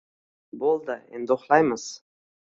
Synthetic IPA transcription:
bolˠd̪əḛnd̪oχlˠɑjməz̥

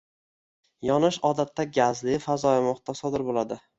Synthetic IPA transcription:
jɒnɪʃɒd̪at̪ʰːaɡʲazlɪfazɒjamɒχt̪asɒd̪ɪɾbolad̪ɪ

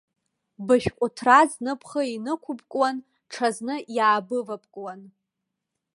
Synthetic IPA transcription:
bɨʃʲᶣkʷʼʊtʰraznɨpʰχəinɨkʷʰʊbʼkʼwan | ʈ͡ʂʰaznɨjaːbɨvapʼkʼwan

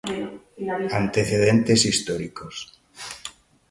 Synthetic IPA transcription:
ant̪eθeð̞ent̪esist̪oɾikos

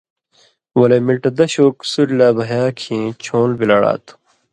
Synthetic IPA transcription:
wɐleːmilʈɐd̪ɐɕoːksuɾlaːbɐɦjaːkʰĩːt͡ɕʰõːlbilɐɽa̰ːt̪u̥

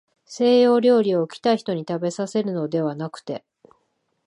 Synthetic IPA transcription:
se̞ːjo̞ːɾʲo̞ːɾʲio̞ɯ̟kʲi̥t̪aiçi̥t̪o̞ɲ̟it̪abe̞sase̞ɾɯ̟no̞d̪e̞βanakɯ̟̥t̪e̞

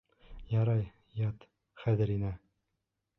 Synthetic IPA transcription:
jɑɾɑj | jɑt̪ | χæðɘɾinæ

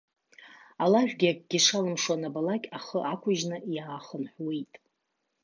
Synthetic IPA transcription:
alaʒᶣɡʲak̚ʼɡ̥ʲɪʂalɨmʂwanabalakʲʼaχəʔakʷʰʊʒnɨʔjaːχənħʷwejtʼ

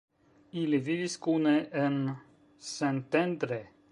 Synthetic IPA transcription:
iliviviskuneʔen | sent̪end̪ɾe

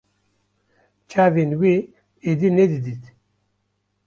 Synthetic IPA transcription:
t͡ʃʰaːvenwi | ed̪inɛd̪ɨd̪it̪

